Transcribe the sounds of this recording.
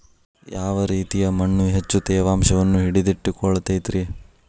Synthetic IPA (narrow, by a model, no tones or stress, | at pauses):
jaːʋɐɾiːt̪ijɐmɐɳːuɦet͡ʃːut̪ɛːʋaːmʃɐʋɐnːuɦiɽid̪iʈːikɔɭɐt̪ɐjt̪ɾi